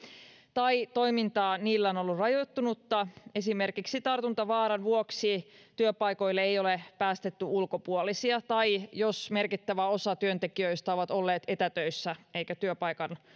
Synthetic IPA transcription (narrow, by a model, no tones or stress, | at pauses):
t̪ɑit̪o̞jmint̪ɑːniːlːæono̞lːurrɑjot̪ːunut̪ːɑe̞sime̞rkiksit̪ɑrt̪unt̪ɑʋɑːɾɑnʋuoksit̪yøpɑjko̞jlːeejo̞lepæːst̪e̞t̪ːyʔulko̞puolisiɑt̪ɑjjosme̞rkit̪ːæʋæo̞sɑt̪yønt̪e̞kiøijst̪ɑoʋɑt̪o̞lːeːt̪e̞t̪æt̪øisːæe̞jkæt̪yøpɑjkɑn